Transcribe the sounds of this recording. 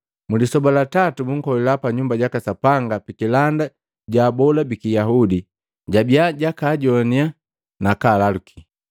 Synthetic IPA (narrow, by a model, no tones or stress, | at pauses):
mulisɔbalatatubuŋ̩kɔlɛlapaɲumbaɟakasapaŋɡapikilanda | ɟabɔlabikijaɦudi | ɟabiaɟakaɟɔnia | nakalaluki̥